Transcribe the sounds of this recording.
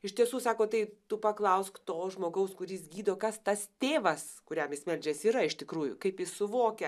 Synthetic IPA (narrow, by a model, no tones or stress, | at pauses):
ɪʃt̪ʲiɛsuːsɑːkoːt̪ɐɪt̪ʊpɐklˠɐʊskt̪oːʒmoːɡɐʊskʊɾʲɪsɡʲiːd̪oːkɐst̪ɐst̪ʲeːʋɐskʊɾʲɛmɪsʲmʲɛlʲd͡ʒʲɛsiːɾɐɪʃt̪ʲɪkɾuːjʊ̰kɐɪpjɪssʊʋoːkʲɛ